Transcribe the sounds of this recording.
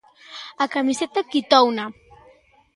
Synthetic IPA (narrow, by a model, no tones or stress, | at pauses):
akamiset̪akit̪ɔwna